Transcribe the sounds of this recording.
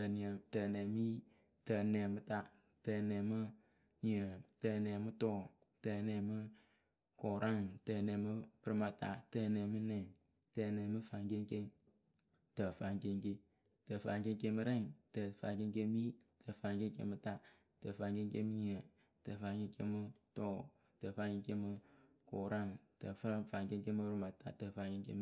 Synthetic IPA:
tə˧˨ni˨ə˨tə˨nɛ˨mi˦ | tə˨nɛ˨mɨ˦ta˦ | tə˧˨nɛ˨mɨ˦ | ɲi˨ə˨tə˨nɛ˨mɨ˦tɔ˦˨tə˨nɛ˨mɨ˦ | kɔ˨ɾʔa˦˨ŋtə˨nɛ˨mɨ˦pɨ˦ɾɨ˦ma˧ta̰˧təː˧nɛ˨mɨ˦nɛ˨ | tə˧˨nɛː˨mɨ˦fa˧ŋke˧ŋke˦ŋ | tə˨fa˨ŋke˧ŋke˧ | tə˨fa̰˨ŋke˦ŋke˦mɨ˧ɾɛ˦˨ŋtə˨fa̰˨ŋke˦ŋke˦mi˦tʰə˨fa˨ŋke˦ŋkḛ˦mɨ˦ta˦ | tə˨fa˨ŋke˦ŋke˦mɨ˦ɲ˦˨ə˨ | tə˨fa˨ŋke˧ŋke˦mɨ˦tɔː˦˨ | tə˨fa˧ŋke˦ŋke˦mɨ˧ | kɔ˨ɾa˦˨ŋtə˨ffa˨ŋke˦ŋke˦mɨ˦bɾma˨ta̰˨tə˨fa˨ŋke˦ŋkḛ˦m˦

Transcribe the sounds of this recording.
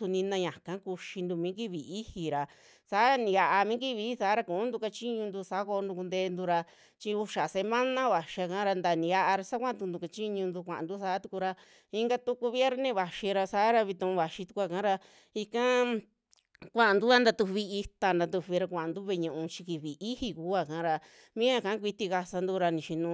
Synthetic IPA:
u˧nĩ˧nã˧ɲã˨kã˨˦ku˧ʃi˧nd̪u˧mĩ˨˦ki˦βi˨i˦hi˨ɾa˨ | saː˨˦˧nĩ˨˧a˧ʔa˧mĩ˦ki˦βi˧˦˧sa˨˦ɾa˧kũ˨ũ˦nd̪u˧ka˧t͡ʃi˦ɲũ˧nd̪u˧sa˨˦ko˧nd̪u˧ku˧nd̪eː˧nd̪u˧ɾa˧ | t͡ʃi˧u˧ʃa˨se˧mã˦nã˦βa˨ʃi˧a˧kã˦ɾa˧nd̪a˧nĩ˨˧a˦ʔa˧ɾa˧sa˦kʷã˦˧t̪u˧nd̪u˧ka˧t͡ʃi˦ɲũ˧nd̪u˧kʷã̰˨ʔã̰˨nd̪u˦sa˨˦t̪u˧ku˧ɾa˧ | i˧ŋɡa˧t̪u˦ku˧βi˦e˦ɾnẽ˦˧˨βa˨ʃi˧ɾa˧saː˦ɾa˧βi˧t̪ũ˧ʔũ˧βa˨ʃi˧t̪u̥˧kʷa˧kã˨˦ɾa˧ | i˧kã˦ | kʷã˧ʔã˧nd̪u˦a˧˦nd̪a˧t̪u˧βi˧i˧t̪a˧nd̪a˧t̪u˧βi˧ɾa˧kʷã˨ʔã˨nd̪u˦βe˧ɲũ˧ʔũ˧t͡ʃi̥˧ki˧βi˨i˦hi˧ku˨˦a˧˨kã˨˦ɾa˧ | mĩ˦a˧kã˨˦kʷi˧t̪i˧ka˧sa˧nd̪u˧ɾa˧nĩ˨ʃi˧nũ˧

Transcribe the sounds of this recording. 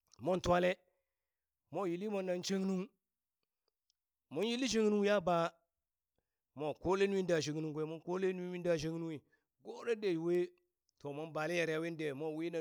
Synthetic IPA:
mo˦ntwa˦le˦ | mo˦˨ji˨li˦mo˨nːa˨nt͡ʃe˦ŋnu˦ŋ | mo˦nji˦li˦ʃe˦ŋ˦nu˦wi˦ja˦ba˨ | mo˨ko˦le˦nu˦wi˦n˦da˨ʃe˨ŋ˨nu˦ŋɡʷe˨mo˦nko˦le˦nu˦wi˦i˦n˦da˨ʃe˦ŋ˦nu˦wi˨ | ɡo˦ɾe˦de˨we˦ | to˨ma˦nba˨le˦ja˨ɾa˦we˦n˦de˨mo˦˨wi˦na˨

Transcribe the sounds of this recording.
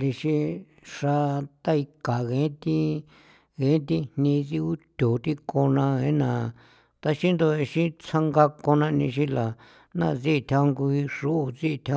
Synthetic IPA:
li˧ʃi˧ | ʂa˧t̪a˦i˧ka˨ɣẽ˨˦t̪i˦ | ɣẽ˨˦t̪i˧nnĩ˧t͡si˧u˦t̪ʲo˨t̪i˦ko˧nã˧ẽ˦nã˨ | t̪a˧ʃi˦nd̪o˧e˧ʃi˦t͡sʰa˧ŋɡa˧ko˧nã˧nĩ˧ʃ̬ĩ˦la˨ | nã̰˦˧˨t͡si˦˧t̪ʰa˧ŋɡu˧i˧ʂu˦u˧t͡si˦˧t̪ʰa˧˦

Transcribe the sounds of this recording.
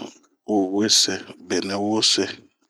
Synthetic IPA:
o˨we˦se˨be˨na˨wo˦se˦

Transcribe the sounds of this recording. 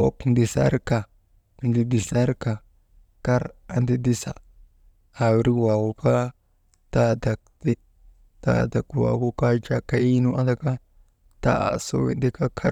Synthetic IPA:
o˦kndi˨sa̰˦ɾka˨ | ndi˦di˨sa˦ɾka˨ | ka˦ɾa˦ndi˦di˦sa̰˨ | a˨wɾi˦wa˨wu˨ka˦ | ta˦da˨k̚ti˦ | ta̰˨da˨kwa̰˨wu˦ka˦d͡ʒa˨ka˦i˦nu˦ʔa˦da˦˨ka˦ | ta̰˦a̰˨so̰˦wḭ˨ndi˦ka˦kʰa˦ɾ

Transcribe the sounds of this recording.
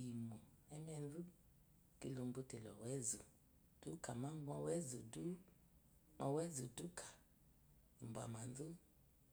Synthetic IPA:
i˨mu˨ɛ˦mɛ˧n˦du˦ | ki˨˧lo˧m˦bo˧tɛ˨lɔ̰˨wɛ˦zu˨ | d̥u˦ka˨ma˦ŋ˦ɡɔ˧wɛ˦zu˨du˦ | ɔ˧wɛ˦zu˨du˦kʰḁ˨ | i˨m˨bʷa̰˨ma˨n˦du˦

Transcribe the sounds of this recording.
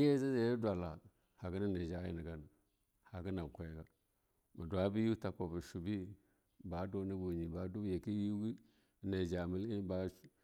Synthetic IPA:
e˦za˦za˨je˦dwa˨la˨ | ha˨ɡi˦na˦ne˨d͡ʒa˦jḭ˦ni˨ɡa˦na˨ | ha˨ɡi˦na˨bkʷa˨jɡa˨ | ma˨dwa˦bi˦ju˦ta˨ko˨bu˨ʃu˨bi˦ | ba˨˦do˨˦na˦ɡo˨ɲi˨ba˨˦du˦bje˨ki˦ju˦ɡi˦˨ | ne˨d͡ʒa˨mi˦li˦ba˨˦

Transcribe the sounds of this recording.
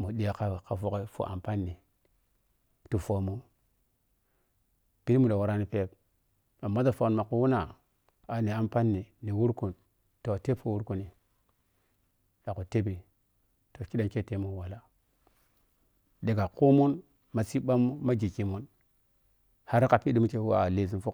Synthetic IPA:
mu˨ɗi˨ja˨ka˨ka˨fo˨ke˦fo̰˨ʔa̰˨mpa˦nːi˨ | tu˨fo˨mu˦n | b̥i˦ni˦mu˨ɗo˨wa˨ɾa˦ni˨pe˦p̚ | a˨mːa˦ta˨fo˨knma˨ku˨wu˦na˨ | a˨ni˨a˦mpa˦nːi˨ni˨wu˦ɾku˨n | to˨te˦po˦wu˦ɾku˨ni˨ | ɗa˨ku˨te˦bi˨ | to˨ki˦da˨nke˦te˨˦mu˦wa˨la˦ | de˨ɡa˨ku˦mu˦n | ma˨si˦ba˦mːu˦ma˦ɡi˨ki˨mu˦n | ha˦ɾka˨pi˦di˦mu˦ke˨u˦a̰˨le˨zi˨nfu˦

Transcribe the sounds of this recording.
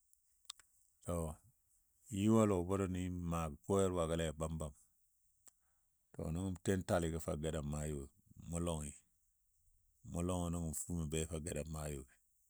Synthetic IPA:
to˨ | ji˦wa˦lo˨bo˦ɾo˦ni˦ma˨ɡko˦e˦ɾwa˨ɡa˦le˦˨ba˦mba˨m | to̰˨nu˦ŋu˦mte˦nta˨li˨ɡe˦fa̰˨ɡe˨da˨ma˦ju˨ɡmu˦lo˦ŋi˨ | mu˦lo˦ŋi˨nu˦ŋu˨m˨fu˦mi˨be˦fa˦˨ɡe˨da˨mːa˦ju˨ɡi˨

